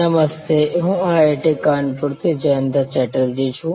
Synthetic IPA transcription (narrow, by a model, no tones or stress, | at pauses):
ɐmɐst̪eɦũaːeːʈekaːnpʊɽt̪ʰed͡ʑɐnd̪ɐt͡ɕɛːʈəld͡ʑiːt͡ʃʰũ